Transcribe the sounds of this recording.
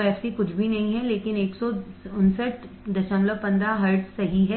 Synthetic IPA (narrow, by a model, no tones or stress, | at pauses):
ɛːsikʊt͡ʃʰbʱinɐɦĩɦɛleːkɪneːksɔʊnsəʈ | d̪ɐʃə̃ŋɡləpɐ̃nd̪ɾaɦɐɾʈsːɐɦiɦɛ